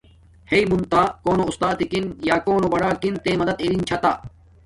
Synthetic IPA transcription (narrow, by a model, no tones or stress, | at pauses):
heimunt̪aːkoːnoust̪aːt̪ikinjaːkoːnobɐɽaːkint̪eːmɐd̪ɐd̪eɾint͡ɕʰɐt̪aː